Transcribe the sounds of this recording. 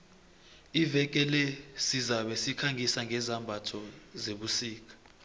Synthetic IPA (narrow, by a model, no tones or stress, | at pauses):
ivɛk̬ʼɛlɛsizaɓɛsikʰaŋʱisaŋɡʱɛzambʱatʰɔzeɓusiːk̬ʼḁ